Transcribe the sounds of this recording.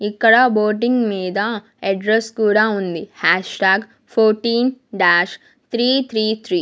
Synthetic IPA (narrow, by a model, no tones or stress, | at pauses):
ikːɐɽɐboːɾʈ̬iŋɡmiːd̪ɐ | eɖɾeskuːɽaːund̪ihaːʂʈaːɡ | pʰoːɾʈiːnɖaːʃ | t̪ɾiːt̪ʰɾiːt̪ʰɾiː